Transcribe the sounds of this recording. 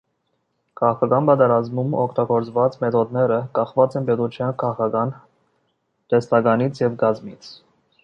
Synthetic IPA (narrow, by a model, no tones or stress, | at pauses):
kʰɑʁɑkʰɑkɑnbɑt̪ɛɾɑzmumɔkʰt̪ɑɡɔɾt͡svɑt͡smɛt̪ʰɔd̪nɛɾəkɑχvɑt͡sɛnpɛt̪ut͡ʃʰjɑnkʰɑʁɑkʰɑkɑn | t̪ɛst̪ɑɡɑnit͡sʰjɛvɡɑzmit͡sʰ